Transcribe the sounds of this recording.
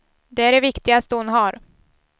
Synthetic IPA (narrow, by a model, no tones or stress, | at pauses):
d̪ɛæɖɛvɪkt̪ɪɡast̪əhʊnɦaɾ